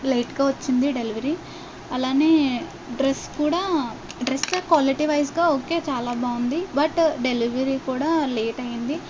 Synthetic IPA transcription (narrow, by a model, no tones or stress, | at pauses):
lejʈɡaːʋɐt͡ʃːind̪iɖe̞liʋɐɾi | ɐlaːne̞ː | ɖɾeskuːɽaː | ɖɾest̪oːkʋaːliʈiʋɐjsɡaːoːke̞ːt͡ʃaːlaːbaːund̪ibɐʈɖe̞liʋɐɾikuːɽaːleːʈɐjind̪i